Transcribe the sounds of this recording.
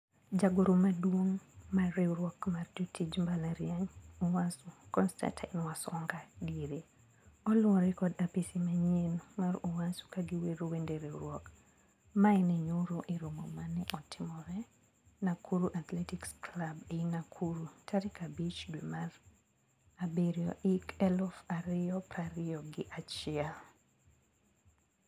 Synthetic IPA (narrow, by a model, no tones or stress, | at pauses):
d͡ʒaɡoɾomadwoŋmaɾeuɾwɔkmard͡ʒotʰid͡ʒmbalaɾiaɲuwasukɔnsta̰ntʰa̰ɪnwasɔŋɡadiɾe | ɔlʊɔɾɛkɔdapisimaɲenmaɾuwasu̥kaɡiweɾowendeɾeuɾwɔk | maɪnɛɲoɾoʔɪɾumɔmanɛʔɔtʰɪmɔɾɛ | nakʰuɾuʔat̪lɛtiksklabeinakʰuɾutʰaɾikabit͡ʃdumar | abeɾijɔ̰ʔikɛlɔfaɾɪɔpɾaɾɪɔɡɪʔat͡ʃia